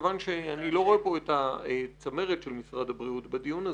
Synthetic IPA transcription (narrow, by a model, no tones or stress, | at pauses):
vanʃeanilo̞o̞epo̞etaet͡same̞ʁetʃelmisʁad̪abʁiutbed̪ijuna